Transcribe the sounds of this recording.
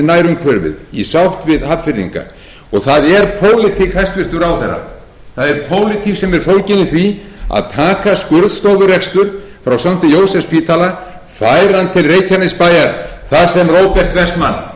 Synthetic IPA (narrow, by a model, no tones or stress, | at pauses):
najɾʏmkʰvœɾvɪ̰ðḭsawht̪vɪðhap̪fɪɾðḭŋka̰ | ɔɣθaðɛɾpʰoːwlɪt̪ʰikhajst̪vɪr̥t̪ʏɾawθɛra̰ | θaðɛɾpʰoːwlɪt̪ʰiksɛmɛɾ̥fowlcɪnɪθvi | a̰ðt̪ʰaːkaskʏɾðst̪owvʏrɛkst̪ʏɾ | fɾawsam̥t̪ʏjoːwsɛfspiːt̪ʰala | faːjɾant̪ʰɪlreːjcʰaɾnɪspajaɾθasɛmrowpɛr̥t̪vɛst̪manː